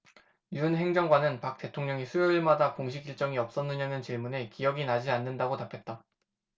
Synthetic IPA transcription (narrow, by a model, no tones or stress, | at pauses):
juɯnɦe̞ŋd͡ʑʌŋɡwanɯnpak̚t͈e̞tʰoŋɲʌŋisʰujoɭmadakoŋɕʰiɡiɭt͡ɕ͈ʌŋiʌp̚s͈ʌnːɯɲanɯnt͡ɕiɭmune̞kijʌɡinad͡ʑianːɯndaɡotapʰjʌt̚t͈a